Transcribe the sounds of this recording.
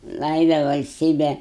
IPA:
ˈlˠɐɪdɐ ʋɐlʲsʲˈtʲiːbʲɛ

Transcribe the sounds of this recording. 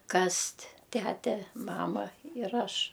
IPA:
ˈkɐsʲtʲ ˈtʲætʲɛ ˈmɑːmɐ ɪr ˈɐʃ

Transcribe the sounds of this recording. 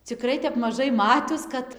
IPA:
t͡sʲɪˈkrɐɪ tʲɛp mɐˈʒɐɪ ˈmɑːtʲʊs ˈkɐt

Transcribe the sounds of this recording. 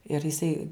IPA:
ɪr jɪˈsɐɪ

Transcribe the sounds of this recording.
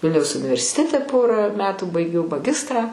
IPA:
ˈʋʲɪlʲnʲɛʊs ʊnʲɪʋʲɛrʲsʲɪˈtʲæːtʲɛ ˈpoːrɑː ˈmʲæːtuː bɐɪˈɡʲɛʊ mɐˈɡʲɪstrɑː

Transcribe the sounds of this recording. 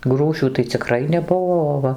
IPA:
ˈɡruːʃʲuː tɐɪ t͡sʲɪˈkrɐɪ nʲɛˈbuɔ oː ˈʋɐ

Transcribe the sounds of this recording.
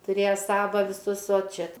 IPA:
tʊˈrʲeːjɛ ˈsɑːʋɐ ʋʲɪˈsʊs oː ˈt͡ʃʲɛ

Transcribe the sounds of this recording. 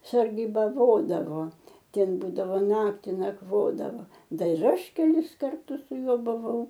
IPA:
sɐrʲɡʲiːbɐˈʋoːdɐʋoː ˈtʲɛn ˈbuːdɐʋoː ˈnɑːktʲɪ nɐkˈʋoːdɐʋoː ˈdɐr ɪr ˈɐʃ kʲɛˈlʲɪs kɐrˈtʊs sʊ ˈjuɔ bʊˈʋɐʊ

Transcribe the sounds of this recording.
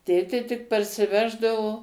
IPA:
ˈtʲeːtʲeː tʲɪk pɐrʲsʲɪˈʋʲæːʒdɐʋoː

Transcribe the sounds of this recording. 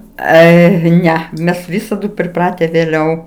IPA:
ˈɐɪ ˈnʲɛ ˈmʲɛs ˈʋʲɪsɐdʊ pʲrʲɪˈprɑːtʲɛ ʋʲeːˈlʲɛʊ

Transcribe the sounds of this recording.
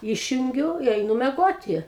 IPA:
ˈiːʃʲjʊŋʲɡʲʊ ɪ ɛɪˈnʊ mʲɛˈɡoːtʲɪ

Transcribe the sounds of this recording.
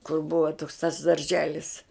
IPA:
kʊr ˈbʊʋɐ toːks tɐs dɐrʲˈʒʲæːlʲɪs

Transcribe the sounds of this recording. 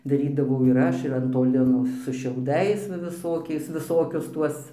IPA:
dɐˈrʲiːdɐʋɐʊ ɪr ˈɐʃ ɪr ɐn ˈtoː ˈlʲɪnoː sʊ ʃʲɛʊˈdɐɪs ʋɐ ʋʲɪˈsoːkʲɛɪs ʋʲɪˈsoːkʲʊs ˈtuɔs

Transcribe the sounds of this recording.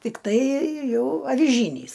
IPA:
tʲɪkˈtɐɪ ˈjɛʊ ɐʋʲɪˈʒʲiːnʲiːs

